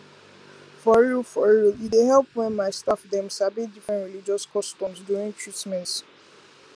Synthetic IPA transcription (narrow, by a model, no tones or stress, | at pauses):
fɔɹufɔɹiideɦɛlˠpwɛ̃nmaɪstafdɛ̃msabidifɹɛ̃ntɹilid͡ʒɔskɔstɔ̃msdjuɹĩŋtʰɹitmɛ̃nt